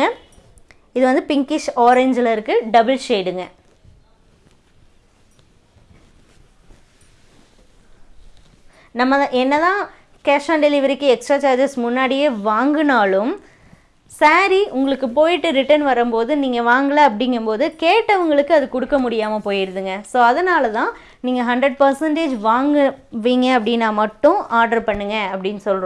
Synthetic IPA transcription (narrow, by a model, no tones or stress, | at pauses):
ɐ | ɪðɯʋɐnd̪ɯpɪŋkɪʂoːɾɛɲd͡ʒɪlɐɪɾɯkːɯɖɐbɐlsejɽɯŋɡɐ | nɐmːɐʔɛnːɐðãː | kaːʂaːɳɖɛlɪʋɐɾɪkːɯɛksaːt͡ʃaːd͡ʒɐsmʊnːaːɽɪjeːʋaːŋɡɯnaːlɯm | saːɾiʔʊŋɡɐɭɯkːɯp̬oːjɪʈːɯɾɪʈɐnʋɐɾɯmpoːðɯniːŋɡɐʋaːŋɡɐɭɐɐp̬ːɐɽɪŋɡɯmpoːðɯkeːʈːɐʋɐŋɡɐɭɯkːɯɐðɯkʊɽɯkːɐmʊɽɪjaːmɐpoːjɪɾɯðɯŋɡɐsoːɐðɐnaːlɐt̪ãː | niːŋɡɐɦɐɳɖɾɛɖpɐɾsɛɳʈeːd͡ʒʋaːŋɡɯʋiːŋɡɐɐp̬ːɐɽɪnːãːmɐʈːʊ̃aːɾɖɐɾpɐɳːɯŋɡɐɐpːɐɽɪnːɯsɔlɾõː